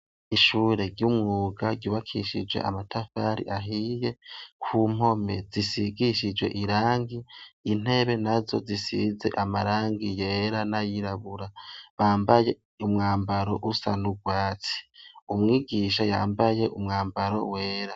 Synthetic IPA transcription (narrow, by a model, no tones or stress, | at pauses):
iʃuːɾe̞ɾjumŋuːɡaɟuβakʰḭʃid͡ʒɡwe̞̰ʔa̰matʰafaɾḭʔaɦije̞kʰuːm̥o̞me̞̰zisiɡiʃid͡ʒwe̞̰ʔiɾaːŋɡiːn̥e̞βe̞nazo̞̰zisḭːze̞̰ʔamaɾaːŋɡije̞ːɾanajiɾaβuɾaβaːmbaje̞ | umŋaːmbaɾo̞ʔusanuɡwaːt͡si̥umŋiːɡiʃajaːmbaje̞ʔumŋaːmbaɾo̞̰we̞ːɾa